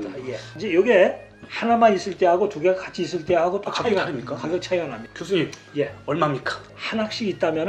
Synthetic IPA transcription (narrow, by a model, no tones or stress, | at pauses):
jeid͡ʑejʌɡe̞ | hanamanis͈ɯɭt͈e̞ɦaɡotuɡeɡakat͡ɕʰiːs͈ɯɭt͈e̞ɦaɡot͈okaimik͈akaɡjʌk̚t͡ɕʰajʌnɦamɲikjos͈ʰɯɲimjeʌɭmamɲik͈ḁ | hanak̚ɕ͈iɡit̚t͈amjʌn